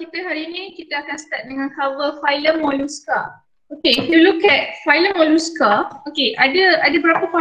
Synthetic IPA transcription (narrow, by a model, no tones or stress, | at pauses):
kit̪əɦaɾiːnĩkit̪əakansə̥t̪at̪̚dəŋãnkavəfajləmɔluska | okeifjulukɛt̚fajləmɔ̃luskaokeʔadəadəbəɾapəfa